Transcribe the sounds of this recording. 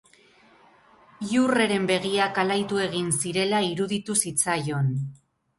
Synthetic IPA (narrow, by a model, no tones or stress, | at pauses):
iure̞ɾe̞mbe̞ɣiakalajt̪ue̞ɣ̞insiɾe̞laiɾuðit̪usit͡sajo̞n